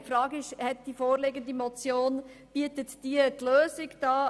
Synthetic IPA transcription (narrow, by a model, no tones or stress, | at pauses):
fɾɑːɡɪʃhɛt̚d̥ifoːɾlɪɡəndimɔt͡sjoːn | b̥iətətd̥iətløːsɪɡd̥ɑː